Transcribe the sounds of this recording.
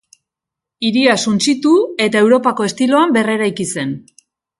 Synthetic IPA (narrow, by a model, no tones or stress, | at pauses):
iɾiasunt͡sit̪ue̞t̪ae̞wɾo̞pako̞e̞st̪ilo̞ambe̞re̞ɾajkise̞n